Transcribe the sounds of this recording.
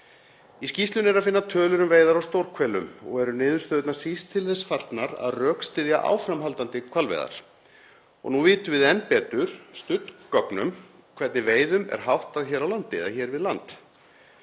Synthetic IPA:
iscist̪lʏnɛɾafɪnːat̪ʰœːlʏɾʏmveːjðaɾawst̪owɾ̥kʰvɛːlʏmɔ̰ɣɛɾʏnɪːðʏɾst̪œːðʏt̪nḁsist̪ʰːɪlθɛsfaɾ̥t̪naɾa̰ðrœːkst̪ɪðjaʔa̰wfɾamɦalt̪ant̪ɪkʰvalvḛjða̰ɾ̥ | ɔ̰ɣnuvɪːt̪ʏvɪðɛnːpɛːt̪ʏɾ̥st̪ʏt̪nkɔknʏ̰m | kʰvɛt̪nɪveːjðʏmɛ̰ɾ̥ɦawht̪aðçɛːɾawlant̪ɪɛ̰ðaçɛːɾvɪðlant̪

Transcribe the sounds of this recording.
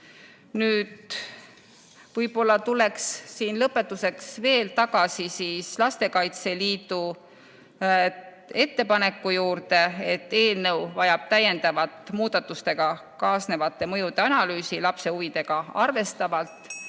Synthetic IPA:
nyːd̪̥ | v̥ɤjpo̞lːɑt̪ule̞kssiːnlɤpːe̞t̪ːuse̞ksve̞ːlt̪ɑɡ̥ɑsisiːslɑst̪e̞kɑjt̪se̞liːt̪u | e̞t̪ːe̞pɑne̞kːujuːrt̪e̞et̪ːe̞ːlnɤwvɑjɑb̥̚t̪æje̞nd̪̥ɑvɑt̪ːˑmuːd̪̥ɑt̪ːˑust̪e̞ɡ̥ɑkɑːsne̞vɑt̪ːˑe̞mɤjud̪e̞ɑnɑlyːsilɑpse̞uvid̪e̞ɡ̥ɑɑrve̞st̪ɑvɑlt̪ːˑ

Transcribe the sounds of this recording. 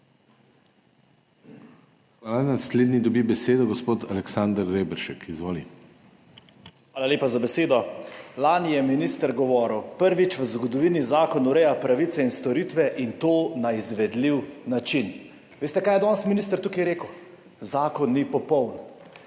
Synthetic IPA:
xʋaːlanasleːd̪nid̪ɔbibɛseːd̪ɔɡɔspoːt̪alɛksand̪ɾːeːbɛɾʃɛkʰizʋoːli | xʋaːlaleːpazabɛseːd̪ɔlanjɛminist̪əɾɡɔʋɔːɾəwpəɾʋit͡ʃʋəzɡɔd̪ɔʋiːnizaːkɔnuɾɛjapɾaʋit̪sɛinst̪ɔɾit̪ʋɛʔint̪oːnaizʋɛd̪liwnat͡ʃin | ʋeːst̪ɛkajɛd̪ɔnsminist̪ɾt̪ukijɾeːkəw | zaːkɔnːipɔpɔwn

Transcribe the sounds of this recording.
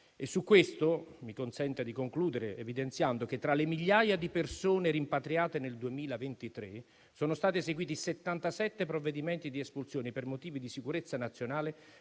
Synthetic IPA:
esːukːwest̪omikonsɛnt̪ad̪ikoŋkluːd̪eɾeevid̪ent̪sjand̪ok̟et̪ːɾalemiʎːaːjad̪ipersoːneɾimpat̪ɾiaːt̪eneld̪uemiːlavent̪it̪ɾe | soːnost̪aːt̪iezeɡwiːt̪iset̪ːant̪asɛt̪ːepɾovːed̪imɛnt̪id̪iespulsjoːnipermot̪iːvid̪isikuɾet̪sːanat̪sjonaːle

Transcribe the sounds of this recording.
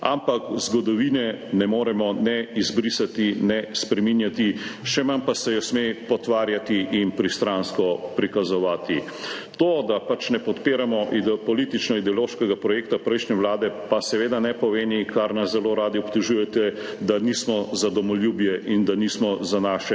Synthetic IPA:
a̰mpakzɡɔd̪ɔʋiːnɛnɛmoːɾɛmɔnɛizbɾiːsat̪inɛspɾɛminjat̪iʃɛmanpasɛjɔsmepɔt̪ʋaːɾjat̪iʔinpɾist̪ɾanskɔpɾikazɔʋaːt̪i | t̪od̪apat͡ʃnɛpɔt̪peːɾamɔʔid̪pɔliːt̪it͡ʃnɔid̪ɛɔloːʃkɛɡapɾɔjeːkt̪apɾɛjʃnɛwlaːd̪ɛpasɛʋeːd̪anɛpɔʋeːnikaɾnaszɛloːɾaːd̪iɔpt̪uʒuːjɛt̪ɛ | d̪anismɔzad̪ɔmɔljubjɛʔind̪aniːsmɔzanaːʃɛ

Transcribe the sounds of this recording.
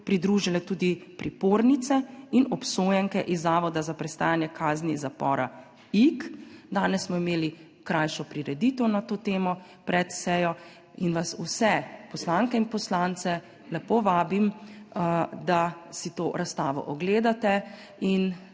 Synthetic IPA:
pɾid̪ɾuːʒilɛt̪uːd̪ipɾipoːɾnit̪sɛinɔpsoːjɛŋkɛʔizːaːʋɔd̪azapɾɛst̪aːjanjɛkʰaːznizapɔːɾa̰ | ikd̪aːnɛssmɔimeːli | kɾajʃɔpɾiɾɛd̪it̪ɔwnat̪oːt̪eːmɔ | pɾɛt̪sɛjɔ | inʋasusɛpɔslaŋkɛinpɔslaːnt̪sɛ | lɛpoːʋaːbim | d̪asit̪oːɾast̪aːʋɔ̰ʔɔɡleːd̪at̪ɛ | in

